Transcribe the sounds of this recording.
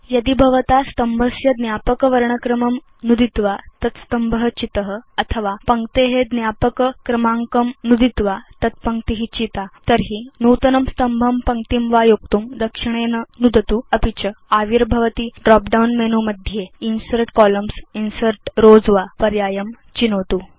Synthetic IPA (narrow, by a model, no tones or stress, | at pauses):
jəd̪ibʱəʋt̪ast̪əmbʱəsjəd̪njapəkʋɐɾɳəkɾəməm | nud̪it̪ʋat̪ət̪st̪əmbʱəɦət͡ɕit̪ɦəɐt̪ʰəʋapəŋkt̪eɦed̪njapəkkɾɐmãŋkəmnud̪it̪ʋat̪ət̪̚pəŋkt̪iɦit͡ɕit̪at̪əɾɦiːnut̪ənəmst̪əmbʱəmpəŋkt̪imʋajok̚t̪uːmd̪ɐkʂiɳ̃ennud̪ət̪uɐpit͡ɕəaʋiɾbʱəʋət̪iːɖɾɔk̚ɖawnmenuməd̪ʱjeinsəɾʈkɔləmsinsəɾʈɾod͡zʋapɐɾjaːjəm | t͡ɕinot̪uː